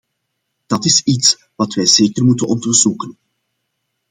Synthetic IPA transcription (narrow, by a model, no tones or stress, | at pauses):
d̥ɑtɪsits | ʋɑtʋɛjzeːkərmutənɔndərz̥ukən